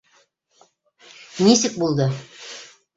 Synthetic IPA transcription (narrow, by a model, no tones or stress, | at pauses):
nisɘk̚bulˠd̪ɤ